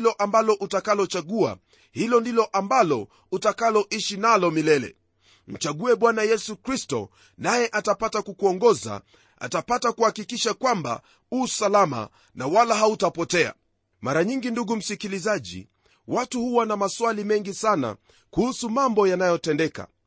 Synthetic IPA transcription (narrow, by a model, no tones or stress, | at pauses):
lɔʔambalɔʔutakalɔt͡ʃaɠua̰ | hilɔndilɔʔambalɔ | utakalɔʔiʃinalɔmilɛlɛ̰ | m̩t͡ʃaɠuɛɓwanajɛsukɾistɔ̰ | najɛʔatapatakukuɔŋɡɔza̰ | ʔa̰tapatakuhakikiʃakwamba̰ | usalama̰ | nawalaɦautapɔtɛa̰ | maɾaɲiŋɡinduɡum̩sikilizaʄḭ | watuhuwanamaswalimɛŋɡisana̰ | kuhusumambɔjanajɔtɛndɛka̰